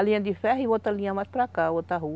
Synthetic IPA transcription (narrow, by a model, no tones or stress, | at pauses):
lĩɲɐ̃d̪ifɛɦivot̪alĩɲɐmajspɾakavot̪aɦu